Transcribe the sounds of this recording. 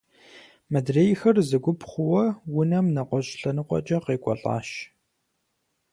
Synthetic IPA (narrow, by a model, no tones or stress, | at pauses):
mɐdreːjxɐrzɨɡʷʊpχʷʊwɐwʊnɐmnɐqʷɔɕʼɬɐnɨqʷʼɔ̰t͡ʃʼɐqeːkʷʼɔ̰ɬʼɑ̰ːʃ